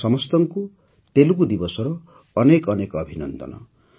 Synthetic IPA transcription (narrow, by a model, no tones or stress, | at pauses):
sʌmʌst̪ʌŋku | t̪elukud̪ibʌsɔɾʌː | nekʌnekʌbʱinʌnd̪ʌ̰nʌ̰